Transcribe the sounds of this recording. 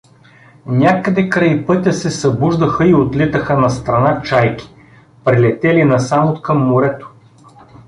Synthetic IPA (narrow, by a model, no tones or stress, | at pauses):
nʲakəd̪ɛkɾɐipɤt̪ʲəsɛsɐbuʒd̪əxəiot̪lit̪əxənɐst̪ɾɐnat͡ʃajkʲi̥ | pɾilɛt̪ɛlinɐsamot̪kɐmːʊɾɛt̪o̥